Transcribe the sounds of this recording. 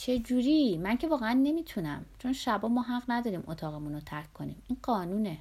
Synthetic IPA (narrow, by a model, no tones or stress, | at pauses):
t͡ʃʰe̞d͡ʒuːɾiːmæncʰe̞vɒːɣeænːe̞miːt̪ʰunæ̰mt͡ʃʰo̞nʃæbɒːmɒːɦæʁnæd̪ɒːɾiːmot̪ʰɒːɣe̞munot̪ʰæɾkʰkːo̞nḭːmiːnɢɒːnuːne